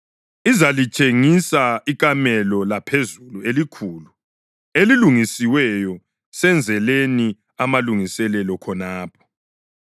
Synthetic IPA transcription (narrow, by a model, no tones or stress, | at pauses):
izalit͡ʃʼeŋisaik̬ʼamɛlɔlapʰezuluelikʰuːlu | eliluŋisiwɛjɔ | sɛnd͡zʱɛleni | amaluŋisɛlɛlɔkʰɔnaːpʰɔ̥